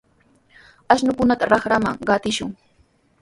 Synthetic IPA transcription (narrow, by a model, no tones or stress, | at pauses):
aʃnʊkʊnat̪aɾɑχɾama̰ŋɢɑt̪ɪʃʊŋ